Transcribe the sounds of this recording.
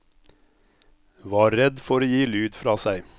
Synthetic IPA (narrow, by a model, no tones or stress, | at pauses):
ʋɑːɾɾɛd̪fɔɾoːjiːlʉːd̪fɾɑːsæɪ